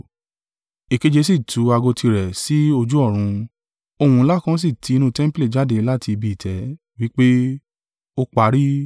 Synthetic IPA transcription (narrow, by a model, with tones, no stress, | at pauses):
e˨ke˨˧d͡ʒe˧si˦˨tʰu˨˦a˧ɡo˧ti˧ɾɛ˨si˨˦o˧d͡ʒu˦ɔ˦˨ɾ̃ũ˧ | o˧hũ˧˦la˦kã˦s̬i˦˨tʰi˨˦˧nũ˦˧tɛ̃˦m˦ple˦˨d͡ʒa˨˦de˧˦la˦˨ti˧bi˧i˨tʰɛ˨˦ | wi˦k͡pe˦ | o˧k͡pa˨˦ɾi˦